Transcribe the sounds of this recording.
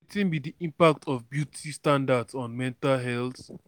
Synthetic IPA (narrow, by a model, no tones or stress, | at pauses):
tĩnbidiʔĩmpak̚tʰɔvbjutʰistãndadsɔ̃nmɛ̃ntalɦɛlθ